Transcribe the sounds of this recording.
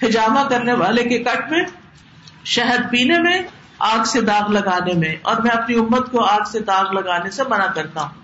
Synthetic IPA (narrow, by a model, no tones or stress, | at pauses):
xɪd͡ʒaːmakɐɾneʋaːlekekɐʈʰmẽ | ʃɛɦəd̪̚piːnemẽ | aːɡsed̪aːɣlɐɡaːnemẽɔ̰ːɾmɛ̃ɐpniʊmːət̪koaːɡsed̪aːɣlɐɡaːnesebɐnakɐɾt̪aɦũː